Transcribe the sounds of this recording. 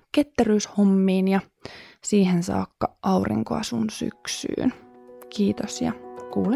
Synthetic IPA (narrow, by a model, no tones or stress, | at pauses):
ket̪ːæryːshomːiːnjɑ | siːhensɑ̰ːkːɑʔɑurḭŋkoɑ̰sunsy̰ksy̰ːnkiːt̪osjɑkuːl